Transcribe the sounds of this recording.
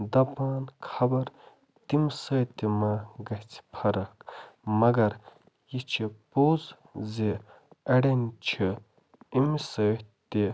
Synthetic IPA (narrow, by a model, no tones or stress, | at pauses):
d̪ɐpaːnkʰɐbɐɾ | t̪imsɐːt̪imaɡɐt͡sʰpʰɐɾɐkmɐɡɐɾ | jit͡ʃʰipoːz | ze | ɐɽɐnʲt͡ʃʰi | imisət̪ːi